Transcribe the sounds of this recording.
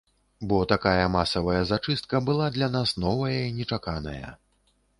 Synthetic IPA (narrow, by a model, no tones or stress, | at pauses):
bɔt̪akajɐmasɐvɐjɐzat͡ʂɨst̪̚kɐbɨlˠad̪lʲanasnɔvɐjɐinʲɛt͡ʂakanɐ̰jɐ̰